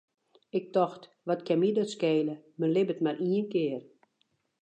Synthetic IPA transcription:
ɪk̚tɔxt | ʋɔtkʰɛmidɔtskeːləmənlɪbətmarʔiənkɪːər

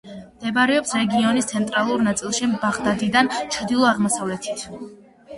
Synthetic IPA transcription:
md̪̥ɛbaɾɛɔpsɾɛɡiɔnist̪sʰɛnt̪ʼɾalˠuɾnat̪sʼilˠʃibaʁd̪ad̪id̪ant͡ʃʰd̪ilˠɔaʁmɔsavlɛt̪ʰit̪ʰ

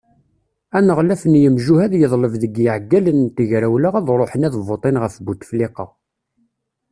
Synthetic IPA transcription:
ænəʁlæfənjəmʒuhæðjəðˤləvðəɡjəʕɡːælənt̪əʝɾæwlaʁæðɾˤoħənæðvot̪ˤenʁəfbut̪fliqɑ̰

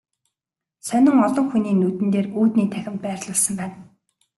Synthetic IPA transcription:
sœnʲɪ̆ŋɔɮɞ̆ŋxuniːnut̪ɘ̆nt̪eːruːt̪niːt̪ʰæxʲɪ̆mpæːrɮə̆ɮsə̆mpæːn

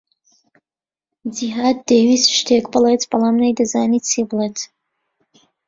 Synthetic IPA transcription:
d͡ʒiɦaːd̪̚d̪ewiːsʃt̪ʰekbɨlet̪b̥ɐlˠamnajd̪azaːnit̪̚t͡sebɨlet̪

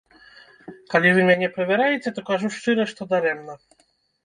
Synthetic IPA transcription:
kalʲivɨmʲɛnʲɛpɾɛvʲɛɾajɛt͡sʲɛt̪ɔkaʐuʂt͡ʂɨɾɛʂt̪ɔd̪aɾɛmnɐ

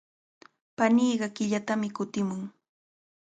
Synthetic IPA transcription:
paniːɢɑkɪʎat̪amɪkʊt̪ɪmʊŋ

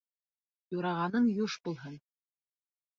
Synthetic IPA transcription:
juɾɑʁɑnɤnjuʃbulˠɦɤn

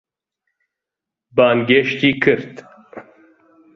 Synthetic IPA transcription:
baːnɡeʃt̪iːkʰɨɾt̪

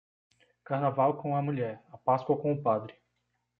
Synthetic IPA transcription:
kaɾnavawkõw̃ɐmuʎɛɾɐpaskwɐkõw̃ʊpad̪ɾɪ

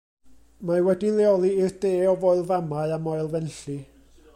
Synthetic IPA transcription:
mawɛdilˠɛɔlˠiɪrd̥eːɔvoɨlˠvamaɨamoɨlˠvɛnɬi

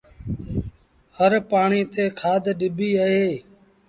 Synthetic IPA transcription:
həɾpaːɳiːt̪eːkʰaːd̪ʱɗɪbiːəɦeː

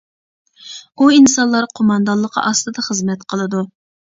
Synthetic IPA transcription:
uinsɑnlˠɑɾqʰomɑnd̪ɑnlˠːəqʰɑ̰ʔɑst̪ɨd̪ɑχəzmɛt̪qʰəlˠɨd̪u

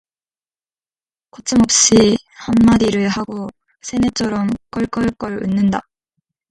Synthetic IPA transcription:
kʌt͡ɕ͈ʰɯmʌp̚ɕ͈i | hanmadiɾɯɭhaɡo | sʰe̞net͡ɕʰʌɾʌmk͈ʌɭk͈ʌɭk͈ʌɭɯ̰nːɯnda

